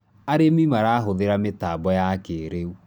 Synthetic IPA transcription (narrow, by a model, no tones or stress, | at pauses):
aɾemimaɾaɦoðeɾametabɔjakeɾeu